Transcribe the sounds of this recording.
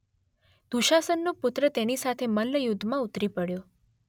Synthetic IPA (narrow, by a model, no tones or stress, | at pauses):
d̪̥uʃasənːopʊt̪ɾət̪enisat̪ʰeməlləjʊd̪ʱːmãut̪ɾipəɽjo